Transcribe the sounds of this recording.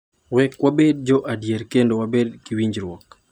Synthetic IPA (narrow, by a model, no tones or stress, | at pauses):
wɛkwabed̚d͡ʒɔʔadjeɾkendowabedkiwiɲd͡ʒɾwɔk